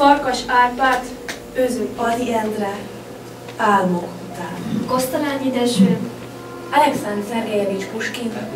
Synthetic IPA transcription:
fɒrkɒʃaːrpaːt̪ | øːzyŋɒd̪iɛnd̪rɛ | aːlmokut̪aːnkost̪ɒɾaːɲid̪ɛʃøː | ɛlɛksɛnd̪zɛɾeːvit͡ʃkuʃkin

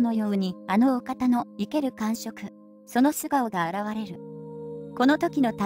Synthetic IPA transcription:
no̞jo̞ɯɲ̟iano̞ːkat̪ano̞ike̞ɾɯ̟kãɰ̃ɕo̞kɯ̟ | so̞no̞sɨɡaoɡaːɾaβaɾe̞ɾɯ̟ | ko̞no̞t̪o̞kʲino̞t̪a

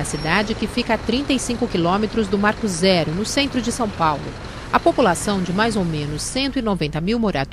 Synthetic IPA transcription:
ɐsid̪ad͡ʒɪkɪfikɐat̪ɾĩnt̪ɐisĩkʊkilõmet̪ɾʊzd̪ʊmaɾkʊzɛɾʊnʊsẽnt̪ɾʊd͡ʒɪsɐ̃w̃pawlʊ̰ | ɐpopulasɐ̃w̃d͡ʒɪmajzowmẽnʊsːẽnt̪ʊinovẽnt̪ɐmiwmoɾat̪

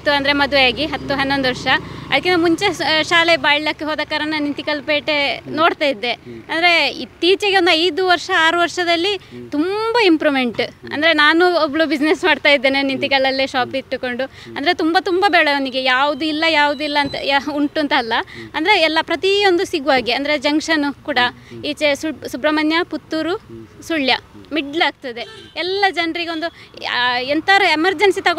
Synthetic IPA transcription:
t̪ːuɐnd̪ɐɾemɐd̪uʋejaːɡiɦɐt̪ːuɦɐnːo̞nd̪uʋɐɾʂɐɐ̰d̪ɐkːinːmuɲt͡ʃeʃaːle̞baːjilɐkːeɦoːd̪ɐːkɐːɾɐnːɐnint̪ikɐlpeːʈenoːɖt̪aːjid̪ːe̞ɐnd̪ɐɾe̞it̪ːiːt͡ʃɐɡeond̪uɐjd̪uʋɐɾʂɐaːɾuʋɐɾʂɐd̪ɐlːit̪umbɐimpɾuːme̞ɳʈɐ̰nd̪ɐɾe̞naːnuɔbɐɭubid͡ʒnesmaːɖt̪aːjid̪ːeːnenint̪ikɐlːɐlːiʃaːpiʈ̪ːuko̞ɳɖuɐnd̪ɐɾe̞t̪umbɐt̪umbɐbɛːɭɐoniɡejaːʋud̪uilːɐjaːʋud̪uilːɐnt̪ɐjuɳʈuɐnt̪ɐːlːɐɐnd̪ɐɾe̞ːlːɐpɾɐt̪io̞nd̪usiɡuʋaːɡiɐnd̪ɐɾe̞d͡ʒɐŋkʂɐnukuːɽɐiːt͡ʃesusubɾɐmɐnjɐput̪ːuɾusuɭjɐmiɖlaːɡ̚t̪ɐd̪e̞ɛlːɐd͡ʒɐnɾiɡeond̪u | ɛnt̪ɐɾɐemɐɾd͡ʒɐnsit̪ɐɡ

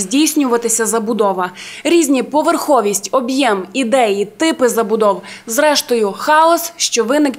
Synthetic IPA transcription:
zʲdʲijsʲnʲʊʋɐt̪ɪsʲɐzɐbʊd̪ɔʋɐɾʲizʲnʲipɔʋerxɔʋʲisʲtʲɔbjɛmid̪ɛjit̪ɪpɪzɐbʊd̪ɔwzɾɛʃt̪ɔjʊxɑɔsʃt͡ʃɔʋɪnɪk

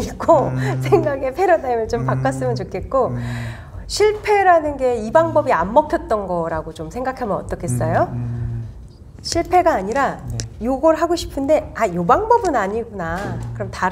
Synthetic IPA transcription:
ik͈osʰeŋɡaɡe̞pʰe̞ɾjonaimɯɭt͡ɕompak͈as͈ɯmɯnt͡ɕokʰe̞t̚k͈o | ɕʰiɭpʰe̞ɾanɯnɡe̞ibaŋbʌbiamːʌk̚tʰjʌt̚t͈ʌnɡʌɾaɡot͡ɕomsʰe̞ŋɡakʰamjʌnʌt͈ʌkʰes͈ʌjo | ɕʰiɭpʰe̞ɡaːɲiɾajoɡʌɾɯɭɦaɡoɕʰi̥pʰɯnde̞ajobaŋbʌbɯnaɲiɡunakɯɾʌmta

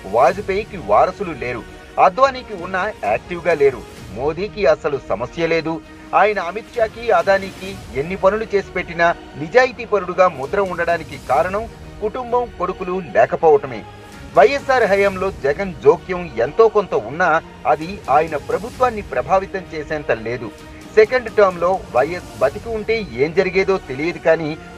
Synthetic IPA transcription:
ʋaːd͡ʒupeːjkiʋaːɾɐsulule̞ːɾṵ | ɐd̪ʋaːniːkiunːɐaːk̚ʈiʋɡaːle̞ːɾṵ | mo̞ːd̪iːkiɐsɐlusɐmɐsjɐle̞ːd̪u | aːjɐnɐɐmit̪ʂaːkiad̪aːniːkienːipɐnulut͡ʃe̞ːsi̥pe̞ʈːinɐ | nid͡ʒaːjit̪iːpɐɾuɽuɡaːmud̪ɾɐmuɳɖɐɽaːnikikaːɾɐɳɐm | kuʈumbɐmko̞ɽukululɛːkɐpɔːʋɐʈɐme̞̰ː | ʋɐjːesːaːɾɦɐjɐmlo̞ːd͡ʒɛɡɐnd͡ʒo̞ːkjɐment̪o̞ːkont̪ɐunːaː | ɐd̪iaːjɐnɐpɾɐbʱut̪ʋaːnːipɾɐbʱaːʋit̪ɐmt͡ʃeːsɛːnt̪ɐle̞ːd̪u | sekɐɳɖʈɐːɾmlo̞ːʋɐjːesbɐt̪ikiuɳʈeːe̞ːmd͡ʒɐɾiɡeːd̪o̞ːt̪e̞lijɐd̪ikaːniː

